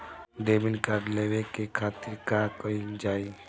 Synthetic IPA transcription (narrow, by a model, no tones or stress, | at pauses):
ɖeːbinkaɖleːʋekekʰaːt̪iɾkakoid͡ʒaːi